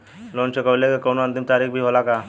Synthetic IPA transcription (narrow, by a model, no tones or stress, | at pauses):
loːnt͡ʃʰekəʋlekekoːnoɐnt̪ɪmt̪aːɾikbʱiɦolakaː